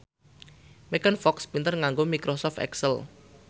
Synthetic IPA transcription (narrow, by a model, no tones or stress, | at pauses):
mekənfɔkspint̪ərŋaŋɡomikɾosɔfɛ̰ksəl